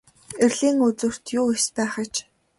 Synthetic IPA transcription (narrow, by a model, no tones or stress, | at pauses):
erɮiːŋɵt͡sɵ̆r̥t̪jʊːespæːχə̆t͡ɕ